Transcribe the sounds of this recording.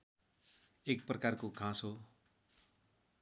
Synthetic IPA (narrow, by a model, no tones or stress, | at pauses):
ek̚prʌkarkoɡʱãso